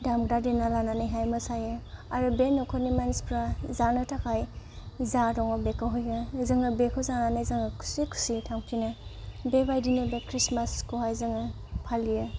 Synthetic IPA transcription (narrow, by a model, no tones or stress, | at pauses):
damɡɾadenalananɯjɦajmɯsajɯaɾɯbenɔkʰɔnimanspʰɾazanɯtʰakʰaj | zaɾɔŋɔbekʰaɦɔjɯzɯŋɯbekʰɯwzananajzaŋɯkʰu̥sikʰu̥sitʰaŋpʰinɯbebajdinɯbekɾismaskʰoɦajzɯŋɯ | pʰalijɯ